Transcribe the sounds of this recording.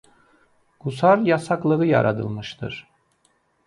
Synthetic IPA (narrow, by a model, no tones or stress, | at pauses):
ɡusaɾjasaklˠɯɯja̰ɾa̰d̪ɯ̰lˠmɯʃt̪ʰɯ̰ɾ̥